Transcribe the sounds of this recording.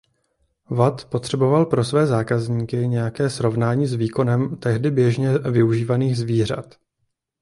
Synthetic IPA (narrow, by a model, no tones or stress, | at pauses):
vat̪po̞t̪r̝̥ɛbo̞valpɾo̞svɛːzaːkazɲiːkɪɲɛjakɛːsɾo̞vnaːɲiːzviːko̞nɛmt̪ɛɦdɪbjɛʒɲɛvɪuʒiːvaniːxzviːr̝a̰t̪